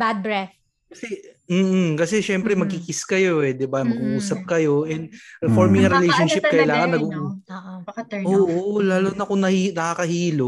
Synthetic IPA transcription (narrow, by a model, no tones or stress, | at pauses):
bad̪̚bɹɛf | kɐsɛm̩ːh̩kɐsɛʃɛmpɾɛmɐɡ̚kɪkɪskɐjo̞ʔɛd̪ɪbamɐɡuʔuːsɐp̚kɐjo̞ʔɛnd̪̚ɛfoɹmɪŋɐɾɪlejʃonʃɪp̚kɐʔɪlaːŋɐnːɐɡu | ɐɐʔoːʔolaːlonɐkonɐhiːnɐkakɐhiːlo